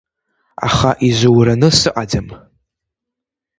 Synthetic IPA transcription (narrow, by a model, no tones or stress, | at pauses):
a̰χaʔiʒʷɨwɾanɨsɨʔʼad͡zam